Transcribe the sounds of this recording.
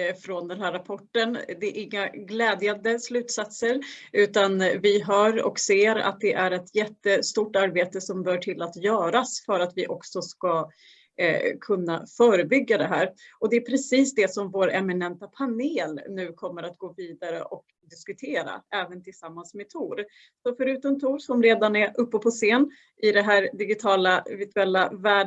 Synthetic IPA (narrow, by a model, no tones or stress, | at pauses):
fɾɔnd̪ɛnɦæːɾːapʰɔʈːənd̪ɛʔɪŋːaɡlɛːd̪jand̪əslʉ̟ːt̪sat̪səɾʉ̟ːt̪anvɪɦœːɾɔ̰kseːɾa̰t̪̚d̪ɛʔæɾɛt̪ʰjɛt̪ːəst̪uːʈːaɾbeːt̪əsɔmbœːʈʰɪlat̪jœːɾasfœɾat̪vɪʔɔksɔska | kʰɵnːafœːɾəbʏɡːad̪ɛɦæːɾɔd̪ɛːpʰɾɛsiːsd̪ɛsɔmvoːɾɛmɪnɛnt̪apʰaneːlnʉ̟ːkʰɔmːəɾat̪ɡoːviːd̪aɾə̰ʔɔk | d̪ɪskɵt̪ʰeːɾa̰ɛːvənt̪ʰɪlsamːansmɛt̪ʰuːɾ | sɔfœɾʉːt̪ɔmt̪ʰuːɾsɔmɾeːd̪anɛʔɵpːɔpʰɔseːn | ʔɪd̪ɛɦæːɾd̪ɪɡɪt̪ʰɑːlavɪt̪ʰɵɛlːavæːɖ